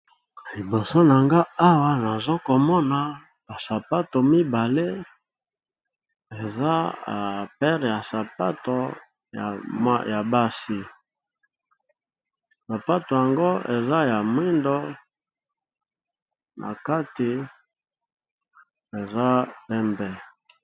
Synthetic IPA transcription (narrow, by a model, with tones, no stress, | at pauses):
i˨bo˨so˦na˨ŋɡa˦a˦wa˦na˨zo˦ko˨mɔ˦na˨ | ba˨sa˨pa˦to˨mi˦ba˨le˦ | e˨za̰˦˨ | pɛ˦ʁja˨sa˨pa̰˦to˨ | ja̰˨m̰˦ja˨ba˦si˦ | sa˨pa˦to˨ja˨ŋɡo˦e˨za˦ja˨mwi˦ndo˦ | nʔa̰˨ka˦ti˨ | e˨za˦pɛ˦mbɛ˦